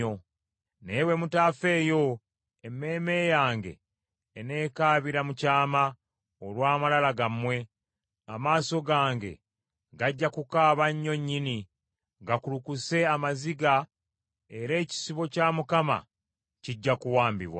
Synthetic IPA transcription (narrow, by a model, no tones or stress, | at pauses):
o | newe̞mutaːfe̞ːjo̞ | emːe̞ːme̞jaːŋɡe̞̰ː | ne̞ːkaːβiɾamucaːma | olwaːmalalaɡamwe̞ | amaːso̞ɡaːŋɡe̞̰ | ɡaɟːakukaːβaɲːo̞ɲːini | ɡakulukuse̞amaziɡa | e̞ɾe̞ːci̥siβo̞caːmukama̰ | ciɟːakuwaːmbiβwa̰